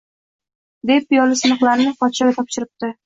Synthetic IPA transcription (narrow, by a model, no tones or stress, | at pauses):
d̪e̞pɪjɒlɪsɪnɨχlˠaɾnɪqɒt̪ʃaɡʲat̪ʰɒpʃɪɾɪp̚t̪ɪ